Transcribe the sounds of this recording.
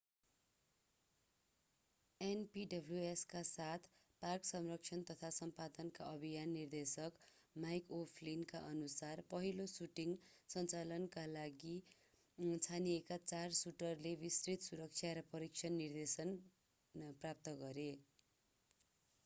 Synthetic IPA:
enpiɖʌbʱljueskasat̪ʰ | parksʌmrʌkt͡sʰʌnt̪ʌt̪ʰasʌmpad̪ʌnkaʔʌbʱijanːird̪esʌk | majkopʰlinkaʔʌnusarpʌɦilosuʈiŋsʌnt͡salʌnkalaɡi | t͡sʰanijekat͡sarsuʈʌrlebisrit̪suɾʌk̚t͡sʰjaɾʌpʌɾik̚t͡sʰʌnːird̪esʌn | prap̚t̪ʌɡʌɾe

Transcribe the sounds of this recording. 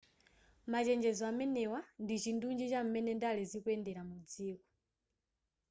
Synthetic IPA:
mat͡ʃɛnd͡ʒɛzɔamɛnɛwandit͡ʃindund͡ʒit͡ʃam̩mɛnɛndalizikwɛndɛɾamud͡ziːkɔ̥

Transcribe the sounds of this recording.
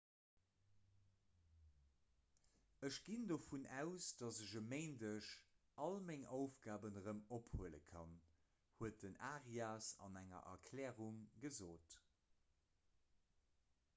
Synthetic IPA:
əʃɡ̥indofunʔæʊsd̥ɑzəʑəmeɪndəʃ | ɑlmæŋoʊfɡ̥aːbənʁəmophuələ̰kʰɑn | huət̚dənaːʁiaːsɑ̰næŋɐ̰ʔɐkʰlɛːʁuŋɡəzoːt

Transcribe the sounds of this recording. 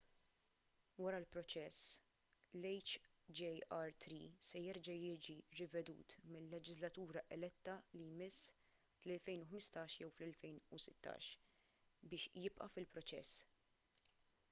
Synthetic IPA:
wɐɾɐlpɾɔt͡ʃɛs | lɛjt͡ʃd͡ʒɛjɐɾt̪ɾiːsɛjɛɾd͡ʒɐjɪːd͡ʒiɾɪvɛd̪ṵːt̪mɪlːɛd͡ʒɪzlɐt̪uːɾɐʔɛlɛt̪ːɐlijmɪsː | flɛlfɛjnʊħmɪst̪ɐːʃjɛwflɛlfɛjnʊsɪt̪ːɐ̰ːʃ | bɪːʃjɪpʔɐ̰fɪlpɾɔt͡ʃɛ̰sː

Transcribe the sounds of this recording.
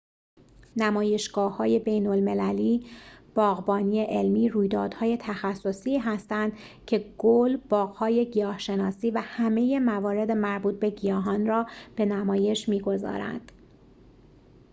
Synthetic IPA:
næmɒːje̞ʃɡ̥ɒːhɒːje̞be̞jnolme̞læliːb̥ɒːɣbɒːniːe̞ʔelmiːɾuːjd̪ɒ̰ːd̪̥hɒːje̞t̪ʰæxæsːo̞siːɦæst̪ænd̪ | cʰe̞ɡ̥olb̥ɒːɣhɒːje̞ɟijɒːhʃe̞nɒːsiːvæhæme̞je̞mævɒːɾe̞d̪e̞mæɾbuːt̪̚ʰbe̞ɟijɒːɦɒːnrɒːb̥e̞næmɒːje̞ʃmiːɡo̞zɒ̰ːɾæ̰nd̪̥

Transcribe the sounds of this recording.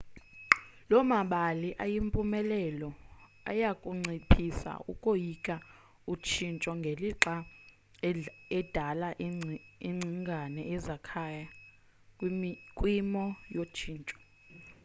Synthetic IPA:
lɔmaɓaliʔajimpʼumɛlɛlɔ | a̰jakʼuŋ͡ǀipʰisa̰ṵkʼojikʼa | ut͡ʃʰint͡ʃʼɔŋɡʱeliǁa | ɛd̥ʱalaʔiŋ͡ǀʱiŋɡʱanɛɛzakʰaja | kʼwimikʼwimɔjot͡ʃʰiːnt͡ʃʼɔ̥

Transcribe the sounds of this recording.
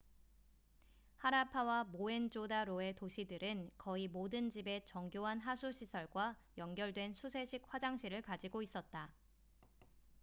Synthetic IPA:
haɾapʰawamoe̞nd͡ʑodaɾoe̞toɕʰidɯɾɯnkʌimodɯnd͡ʑibe̞t͡ɕʌŋɡjoɦanɦasʰuɕʰisʰʌɭɡwajʌŋɡjʌɭdwe̞nsʰusʰe̞ɕʰik̚ɸwad͡ʑaŋɕʰiɾɯɭkad͡ʑiɡois͈ʌt̚t͈a

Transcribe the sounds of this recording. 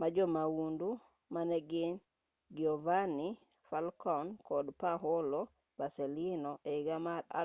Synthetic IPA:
mad͡ʒomawundu | maneɡin | ɡiovani | falkɔnkodpaɦolo | baselinoʔeɡamaɾa̰

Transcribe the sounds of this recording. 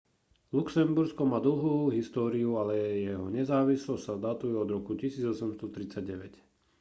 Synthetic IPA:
luksɛmbuɾskɔmaːd̪l̩ɦuːɦist̪ɔːɾiualɛjɛɦɔɲɛzaːʋislɔssad̪at̪ujɛɔd̪ɾɔkucisiːd͡zɔsɛmst̪ɔt̪ɾit͡saɟ̚ɟɛʋɛc

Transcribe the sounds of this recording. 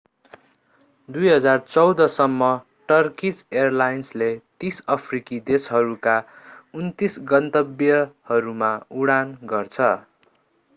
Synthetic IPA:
d̪ujɦʌd͡zart͡sʌwd̪ʌsʌmːʌ | ʈʌrkit͡serlajnslet̪isʌpʰrikid̪esɦʌɾukaunt̪isɡʌnt̪ʌbjʌhʌɾumauɽanɡʌrt͡sʰʌ

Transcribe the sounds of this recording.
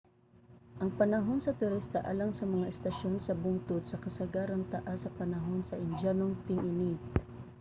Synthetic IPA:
ʔɐŋpɐnɐɦo̞nsɐt̪ʊɾist̪aʔalaŋsɐmɐŋaʔɛst̪ɐʃonsɐbʊŋt̪od̪sɐkɐsɐɡaɾɐŋt̪aʔasɐpɐnɐɦo̞nsɐʔɪnd͡ʒanoŋt̪ɪŋʔɪni

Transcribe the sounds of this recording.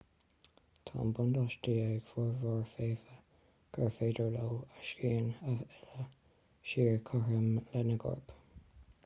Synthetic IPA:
t̪ʰɑ̰ːmbʊnd̪aʃdiːəɡ̥fɔɹvɑɹfeːvə | ɡ̥əɹfeːdəɹlowaʃiːnaɛlə | ʃiːɹkʰɔɹəmlɛnəɡɔ̰ɹp

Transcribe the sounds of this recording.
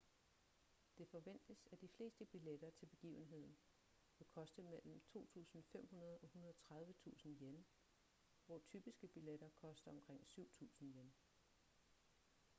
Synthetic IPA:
d̥e̝fɒ̽ʋen̰d̥əsæd̥ifle̝̰ːsd̥əb̥iled̥ɐt͡sʰe̝lb̥e̝ɡ̥ḭːʊn̩ɦe̝ð̰ˠn̩ | ʋe̝kʰɒ̽sd̥əmel̰m̩t͡sʰo̝̰ːt͡sʰṵːsn̩fem̰ɦunɐð̞ˠɒ̽hunɐðˠɒt͡sʰʁäð̞ˠʋət͡sʰṵːsn̩jen | ʋɒt͡sʰyb̥isɡ̥əb̥ileɾ̥ɐkʰɒ̽sd̥ɐɒ̽mkʰʁeŋ̰syʊ̰t͡sʰṵːsn̩jen

